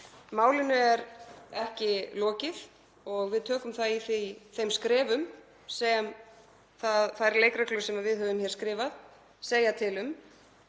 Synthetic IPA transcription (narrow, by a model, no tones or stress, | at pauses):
maːwlɪnʏɛɾɛhcɪlɔːcɪð | ɔɣvɪðt̪ʰœːkʏmθaðiθiθejmskɾɛːvʏm | sɛm | θaðθajɾleːjkɾaklœsɛmaðvɪðhœːvʏmçɛːɾ̥skɾɪːvað | seːjat̪ʰɪlʏm